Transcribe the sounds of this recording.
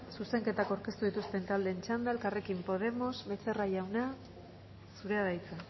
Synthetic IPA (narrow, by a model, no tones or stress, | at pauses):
suse̞ŋke̞t̪akawɾke̞st̪uð̞it̪ust̪e̞nt̪ald̪e̞ːnt͡ʃand̪aelkare̞kimpo̞ð̞e̞mo̞sβe̞se̞rajawna | suɾe̞aðajt͡sa